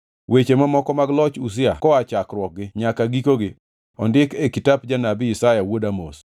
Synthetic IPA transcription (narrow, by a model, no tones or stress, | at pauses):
wet͡ʃemamɔkɔmaɡlɔt͡ʃus̬ɪa̰kɔat͡ʃakɾwɔk̚ɡɪɲakaɡikoɡɪ | ɔndɪkekitap̚d͡ʒanabɪɪsajawodamo̰s